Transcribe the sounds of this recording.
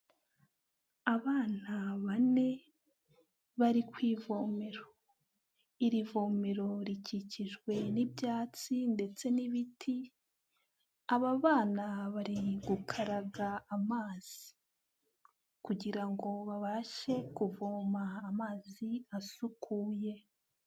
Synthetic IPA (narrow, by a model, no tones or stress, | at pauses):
aβaːn̥aβane̞ | βaɾikwiːvo̞ːme̞ɾo̞ | iɾivo̞ːme̞ɾo̞ɾiciciʒɡwe̞nibjaːt͡sinde̞t͡se̞niβitʰi | aβaβaːnaβaɾiɡukʰaɾaɡaːmaːz̥ii | kuɟiɾaŋɡo̞βaβaʃe̞kuvoːmaːmaːziasukʰuje̞